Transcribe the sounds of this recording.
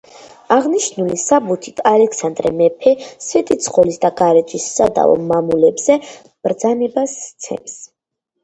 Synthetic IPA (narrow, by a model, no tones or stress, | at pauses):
aʁniʃnulisabut̪ʰit̪ʰʼalɛksand̪ɾɛmɛpʰɛsvɛt̪ʼit̪sʰqʼɔlisd̪aɡaɾɛt̪ʼʰisːad̪a̰vɔ̰mamulɛbz̥ɛ | b̥ɾd̪zanɛbast̪sʰɛ̰ms